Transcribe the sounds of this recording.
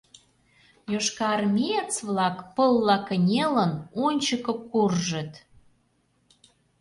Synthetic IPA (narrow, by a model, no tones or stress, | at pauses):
joʃkɑrmʲijet͡sβlɑkpəlːɑkənʲelənonʲt͡ɕəkɤ̆kurʒə̆t̪